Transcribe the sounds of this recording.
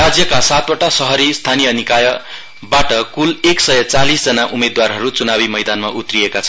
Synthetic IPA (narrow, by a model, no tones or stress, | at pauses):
rad͡zjʌkasat̪wʌʈasʌɦʌɾist̪ʰanijʌnikajʌ | baʈʌkuleksʌjʌt͡salisd͡zʌnaʔumed̪warɦʌɾut͡sunabimʌjd̪anmaʔut̪rijekat͡sʰʌ